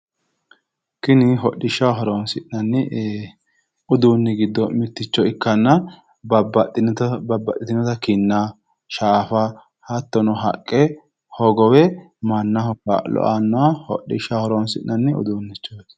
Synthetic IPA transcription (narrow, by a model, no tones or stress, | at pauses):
kɪnɪɦɔɗːɪʃːɐwɦɐɾonsɪʔnɐnːɛ | ʊd̪uːnːɪɡɪd̪ːɔmɪt̪ːɪt͡ʃːɔɪkːɐnːɐ | b | bɐbːɐʔɪt̪ɪnɔt̪ɐkɪnːa | ʃaːfɐ | hɐt̪ːɔnɔɦɐ̰kʼːɛ | hɔɡɔwɛ | mɐnːɐhɔkːa̰lɔ̰ʔanːɔwahɔ̰ɗːɪ̰ʃɐwhɐɾoːnsɪʔnːʔɐnːɛʊ̰d̪uːnːɪt͡ʃːoːs